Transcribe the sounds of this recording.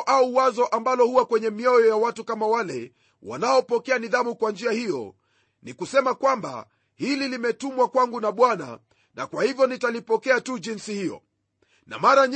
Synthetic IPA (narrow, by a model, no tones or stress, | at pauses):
ʔauwazɔʔambalɔhuwakwɛɲɛmiɔjɔjawatukamawalɛ | wa̰naɔpɔkɛaniðamukwand͡ʒiahijɔ̰ | nikusɛmakwamba̰ | hililimɛtumwakwaŋɡunaɓwana̰ | na̰kwahivjɔnitalipɔkɛatuʄinsihiɔ̰ | na̰maɾaɲ